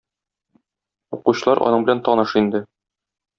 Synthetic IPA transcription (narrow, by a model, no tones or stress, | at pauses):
uquɕɤ̆lˠɑɾʔɒ̰nɤɴbɘ̆lænt̪ɒnɤʃind̪ɘ